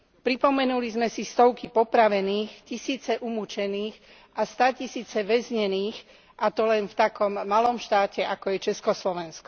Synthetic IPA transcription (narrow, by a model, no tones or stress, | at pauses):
pɾipɔmɛnulizmɛsist̪ɔʊkipɔpɾaʋɛniːxcisiːt͡sɛʔumut͡ʃɛniːx | ʔast̪aːcisiːt͡sɛʋɛzɲɛniːx | ʔat̪ɔlɛnft̪akɔmːalɔmʃt̪aːcɛʔakɔjɛt͡ʃɛskɔslɔʋɛnskɔ̥